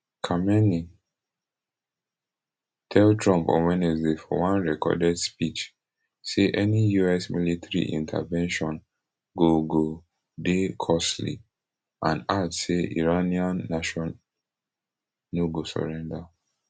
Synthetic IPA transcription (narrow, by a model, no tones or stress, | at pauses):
kʰamɛni | tʰɛltʰɹɔ̃mpɔ̰̃nwɛnɛsdefɔ̰wãnɹɛkɔ̰dɛdspit͡ʃ | seʔɛnijuɛsmilitɹḭʔḭ̃ntʰa̰vɛ̃nʃɔ̃n | ɡoɡo | dekʰɔslḭ | ʔãnatseʔḭɹaniãnːaʃɔ̃n | oɡosɔ̰ɹɛ̃nda